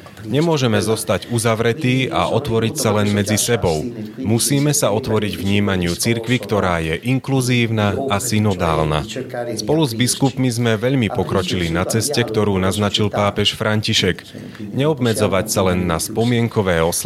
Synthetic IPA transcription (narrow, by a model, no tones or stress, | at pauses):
ɲɛmʊɔʒɛmɛzɔst̪aɟuzaʋɾɛt̪iːa̰ʔɔt̪ʋɔɾicsalɛnmɛd͡zisɛbɔʊmusiːmɛsaɔt̪ʋɔɾiɟʋɲiːmaɲɪut͡siɾkʋikt̪ɔɾaːjɛʔiŋkluziːʊnaːsinɔd̪a̰ːlna̰spɔluzbiskupmizmɛʋɛʎmipɔkɾɔt͡ʃilinat͡sɛscɛkt̪ɔɾuːnaznat͡ʃilpaːpɛʃfɾaɲciʃɛɡ | ɲɛɔbmɛd͡zɔʋacsalɛnːaspɔmɪɛŋkɔʋɛːɔs